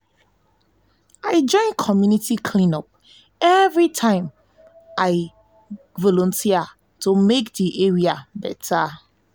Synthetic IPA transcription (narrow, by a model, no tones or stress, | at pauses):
aɪd͡ʒɔ̃ɪ̃nkʰɔmjunitikʰlĩnɔp̚ | ɛvɹitʰãɪ̃m | ʔaɪ | vɔlɔ̃ntʰia | tumek̚diʔeɹiabɛtʰa